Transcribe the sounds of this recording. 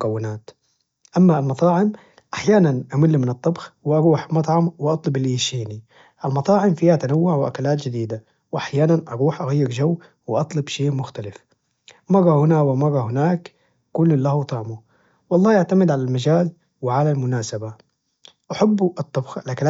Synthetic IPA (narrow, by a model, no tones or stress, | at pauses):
kawːɪnaːt̪ | ʔamːalmɑt̪ˤɑːʕɪm | ʔaħjaːnanʔamɪlːimɪnɨt̪ˤːɑbxwɪʔɑɾuːħmɑt̪ˤʕɑmwʔɑt̪ˤlʊbɪlːiʃiːni | ʔalmɑt̪ˤɑːʕɪmfiːhat̪anawːʊʕwɪʔa̰kalaːt̪d͡ʒɪd̪iːd̪a | wʔaħjaːnanʔɑɾuːħʔaɣajːɪɾd͡ʒawː | wɪʔɑt̪ˤlɑbʃeːmʊxt̪alɪf | mɑɾˤɑhɪnaːwɪmɑrˤɑhɪnaːk | kulːɪlːahut̪ˤɑʕmu | wɑlˤːɑːʔaʕt̪amɪd̪ʕalalmad͡ʒaːz | wɪʕalalmʊnaːsaba | ʔaħabːʔɨt̪ˤːɑbxalʔakal